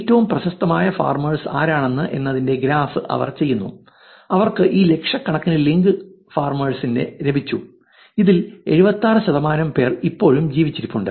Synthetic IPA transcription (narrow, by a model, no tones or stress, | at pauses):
tːɐʋumprɐɕɐst̪ɐmaːjɐfa̰ːrmɐɻsaːɾaːɳe̞nːɨʔe̞nːɐðinde̞ɡɾaːfɨʔɐ̰ʋɐ̰rt͡ɕe̞jːunːu | ɐʋɐrkɨʔiːle̞kʂɐkːɐɳɐkːinɨliŋɡɨ | faːrmɐɻsinde̞̰ɾe̞bʱit͡ɕːu | iðile̞̰ɻubɐt̪ːaːrɨɕɐðɐmaːnɐmpe̞ːripːo̞ːɻumd͡ʑiːʋit͡ɕːiɾipːuɳɖɨ